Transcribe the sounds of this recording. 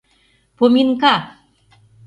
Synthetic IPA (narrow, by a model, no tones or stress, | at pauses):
pominka